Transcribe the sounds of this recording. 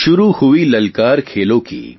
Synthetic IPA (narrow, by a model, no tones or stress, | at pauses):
ʃʊɾuhʊilɐlkaːɾkʰeːlõkḭː